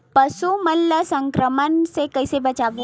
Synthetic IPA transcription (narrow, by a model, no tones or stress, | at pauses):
pəsuməlːəsə̃ŋkɾəmənsekɐisebɐt͡ʃaːbi